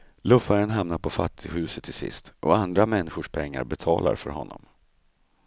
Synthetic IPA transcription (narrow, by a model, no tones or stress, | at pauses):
lɵfaɾənɦamnaɾpʰɔfa̰t̪ʰːɪɡhʉ̟ːsət̪ʰːɪlsɪ̰st̪ʔɔand̪ɾamɛnːɪɧʊʂpʰɛŋːa̰ɾbɛt̪ʰɑːlʔa̰ɾfœɾɦɔ̰nːɔm